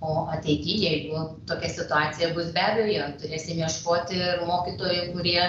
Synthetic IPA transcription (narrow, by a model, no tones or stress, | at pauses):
oːʔɐt̪ʲɛɪɡʲiːjɛɪɡʊt̪oːkʲɛsʲɪt̪ʊɑːt͡s̪ʲɪjɛbʊsbʲæːbʲɛjoːjɛt̪ʊɾʲeːsʲɪmʲiɛʃkoːt̪ʲɪmoːkʲiːt̪oːjɛɪkʊɾʲiɛ